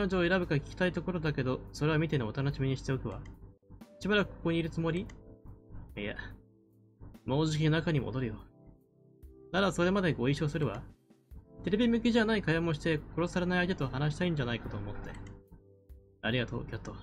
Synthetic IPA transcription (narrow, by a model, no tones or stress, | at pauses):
knot͡ɕoːe̞ɾabɯ̟kakʲi̥kʲi̥t̪ait̪o̞ko̞ɾo̞d̪ake̞d̪o̞so̞ɾe̞βamʲit̪e̞noot̪anoɕimʲiɲ̟iɕi̥t̪e̞okɯ̟βa̰ | iɕibaɾakɯ̟̥kʰːo̥ko̞ɲ̟iːɾɯ̟t͡sɨmo̞ɾʲi | a̰ | mo̞ːʑikʲinonakaɲ̟imo̞̰d̪o̞ɾɯ̟jo̞ | nad̪asoɾe̞mad̪e̞ɡo̞iɕo̞ːsɨɾɯ̟βa̰ | t̪e̞ɾe̞bʲimɯ̟kʲiʑanaikajamoɕ̬i̥t̪e̞ko̞ɾo̞saɾe̞naiaid̪et̪ohanaɕ̬i̥t̪aĩɲ̟d͡ʑanaikat̪o̞ːmo̞t̪ːe̞̰ | aɾʲiɡat̪o̞̰ːkʲat̪ːo